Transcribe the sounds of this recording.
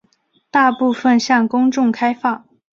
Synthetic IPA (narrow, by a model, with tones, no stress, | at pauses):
t̪a˥˧pu˥˧fə˥˧nɕjɑ˥˩ŋkʊ˥ŋʈ͡ʂʊ˥˩ŋkʰa˥ɪfɑ˥˩ŋ